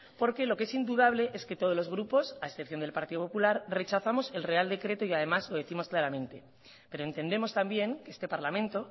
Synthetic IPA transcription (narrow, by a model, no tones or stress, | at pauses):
po̞ɾke̞lo̞kesind̪uð̞aβ̞le̞ʔe̞ske̞t̪o̞ð̞olo̞zɣ̞ɾupo̞saesθepθjo̞nd̪elpaɾt̪iðopo̞pulaɾre̞t͡ʃaθamo̞se̞lre̞ald̪e̞kɾe̞t̪o̞iað̞e̞mazlo̞ð̞eθimo̞sklaɾamẽnt̪e̞ | peɾoe̞nt̪e̞nd̪e̞mo̞st̪ambje̞ŋkest̪e̞paɾlamẽ̞nt̪o̞